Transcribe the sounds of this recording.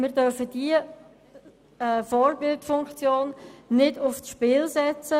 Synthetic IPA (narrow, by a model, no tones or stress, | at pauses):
mɪːɾdœɾfəd̥iə | ɛːfɔrbɪltfʊŋkt͡sjoːnnɪdʊfsʃpɪlsɛt͡sə